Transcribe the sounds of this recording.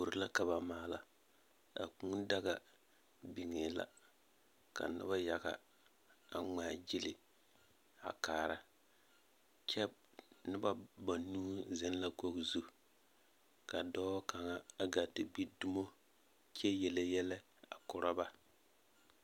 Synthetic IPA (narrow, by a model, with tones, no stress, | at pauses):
bu˨ɾɪ˨la˦ka˨ba˨maː˨˦la˨ | a̰˨ku˦ŋ˦da˦ɣa˨ | bi˨ŋe˨la̰˨ | ka̰˨nɪ̰˦ba˦ja˨ɡa̰˨ | a˨ŋ͡maː˨d͡ʒɪ˦lɪ˨ | a̰˨kaː˨ɾa˦ | t͡ʃɛ˦ | nɪ˦ba˦ba˨nuː˦zɛ˦n˦la˦ko˦ɡzu˦ | ka˨dɔ˦ka˨ŋa˦a˨ɡa˨tɪ˨ɡ͡bi˦du˦mo˦ | t͡ʃɛ˦jɛ˨le˦jɛ˦lɛ˦ | a̰˨kʊ˨ɾa˦ba˦